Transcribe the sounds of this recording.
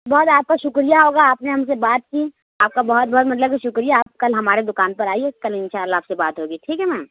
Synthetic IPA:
bɔːt̪aːp̚kaʃʊkɾijaɦoːɡaːpneɦɐmsebaːt̪̚ki | aːp̚kabɐɦɔt̪̚bɔːt̪mɐt̪ləbʃʊkɾijaːp̚kɐlɦɐmaːɾed̪ʊkaːnpɐɾaːiekɐlɪ̃nʃaːlːaːpsebaːt̪ɦoːɡiʈʰiːkɦɛmɛ̃ː

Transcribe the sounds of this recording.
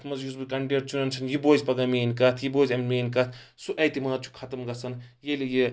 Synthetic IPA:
t̪ʰmɐzjusbɨkɐɳɖeɾt͡ʃʰunɐnt͡sʰɐnjiboːzpɐɡɐmeːnkɐt̪ʰjiboːzɐmmeːnkɐt̪ʰ | suʔɐjt̪imaːt̪̚t͡ʃʰu̥kʰɐt̪ɐmɡɐsʰɐnjelije

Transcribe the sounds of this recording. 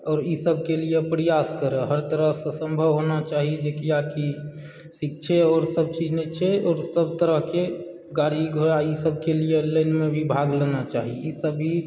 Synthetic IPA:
ɔːɾisəb̚ʱkelijepɾəjaskəɾɛɦəɾt̪əɾəɦsə̃sə̃mbʱəʋɦonat͡ʃaɦid͡ʒekijaki | sik̚t͡ʃʰeɔːɾsəb̚t͡ʃid͡ʒnɛt͡ʃʰɛɔːɾsəbt̪əɾəɦke | ɡaɾiɡʱoɾaisəb̚kelijeləɪnmebʱibʱaɡlənat͡ʃaɦiisəbːi

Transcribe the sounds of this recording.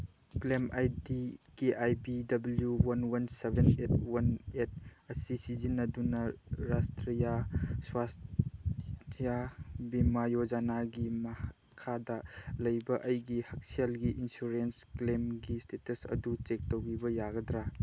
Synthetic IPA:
klemajdikeʔajbidɐbɐljuwɐnwɐnsebʱenet̚ʰwɐnet̚ʰɐsisizinɐdunɐɾastɾijaswas | tʰijabimajod͡ʒanaɡimɐh | kʰadɐlɐjbɐʔɐjɡihɐk̚sielɡiʔinsuɾensklemɡistʰetɐsɐ̰dut͡ʃek̚towɡibɐjaɡɐdɾa

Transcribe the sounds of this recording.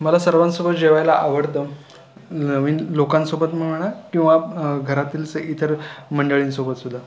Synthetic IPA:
məlasəɾʋãnsobət̪̚d͡ʑeʋajlaʔaʋəɾt̪ə | nəʋiːnlokãnsobət̪m̤əɽɳ̃akĩw̃ʋaɡʱəɾat̪iːlt͡səʔit̪ʰəɾməɳɖəɭiːnsobət̪sud̪ʱːa

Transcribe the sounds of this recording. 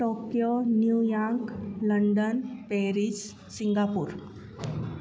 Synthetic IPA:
ʈokjonjujakləɳɖənpeɾid͡ʑ | siŋɡapuːɾ

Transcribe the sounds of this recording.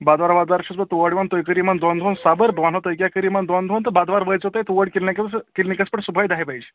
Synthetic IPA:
bad̪ʋaɾbad̪ʋaɾɕuspət̪uʋəɽmənt̪ojkəɾiːmənd̪ɔnd̪ʱonsabəɾbʋanɦot̪ojkjakəɾiːmənd̪ɔnd̪ʱont̪əbad̪ʋaɾʋəjt͡sɦot̪ajt̪uʋəɽkilnãkət̪skilnikəspəʈsubʱajd̪aɦepaid͡ʒ

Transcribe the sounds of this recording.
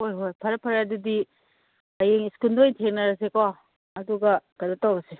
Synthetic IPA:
ojɦojpʰɐɾɐpʰɐɾadudi | ɐjeŋiskulndojtʰeŋ̚nɐɾɐs̬eko | ɐduɡɐkɐdatawɾɐse

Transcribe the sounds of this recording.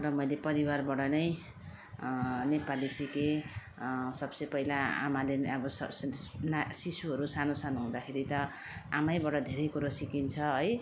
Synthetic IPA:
rʌmʌjlepʌɾiwarbʌɽʌnʌj | nepalisike | sʌbsʌjpʌilaa̰maleʌbʌsʌnsisuɦʌɾusanosanoɦũd̪akʰeɾit̪ʌ | amajbʌɽʌd̪ʱeɾʌjkuɾʌsikint͡sʰʌʌj

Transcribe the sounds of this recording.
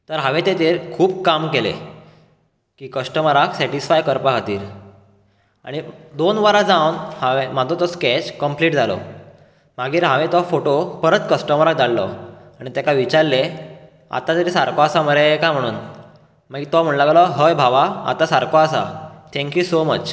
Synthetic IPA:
t̪əɾɦaʋet̪et̪eːɾkʰuːb̚kamkelḛ | kiːkəsʈəməɾaksɛʈisfajkəɾpaɡat̪iːɾ | a̰ɽ̃id̪onʋəɾad͡zawnhaʋem̤at̪ɔt̪ɔskɛt͡ɕkəmpliːʈd͡zalɔ̰ | m̤aɡiːɾɦãʋẽt̪ɔfoʈopəɾət̪kəsʈəməɾak̚d̪allɔaɽ̃it̪akaʋit͡ɕaɾle | a̰t̪at̪əɾisaɾkɔasaməɾekam̤əɽ̃uːn | m̤aɡit̪ɔm̤əɳlaɡlɔɦəjbʱaʋaa̰t̪asaɾkʰɔasa̰t̪ʰɛ̃ŋkjusomət͡ɕ

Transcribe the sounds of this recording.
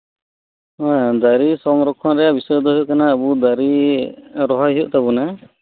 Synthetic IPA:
ad̪aɾisɔmɾɔkʰːɔnɾɛjabisɔjɔd̪ɔɦjuʔkanaːbud̪aɾi | ɾɔɦajɦijuʔt̪abuna

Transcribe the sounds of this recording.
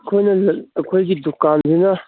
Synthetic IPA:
kʰoːinɐlkʰoiɡid̪ʊkːaːnd̪ina

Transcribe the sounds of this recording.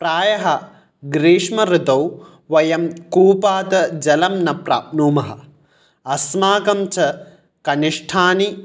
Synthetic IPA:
pɾaːjɐɦɐ | ɡɾiːʂmɐɾɪt̪ɐw | ʋɐjɐmkuːpaːt̪ɐd͡ʒɐlɐmnɐpɾa̰ːp̚nuːmɐɦɐ̰ | ɐsmaːkɐmt͡ʃɐ | kɐniʂʈʰaːni

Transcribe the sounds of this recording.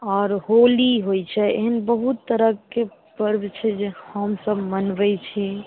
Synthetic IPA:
ɔːɾɦoliɦojt͡ʃʰɛḛɦənbəɦut̪ːəɾəke | pəɾbt͡ʃʰɛd͡ʒehəmsəbmənbɛt͡ʃʰɛ

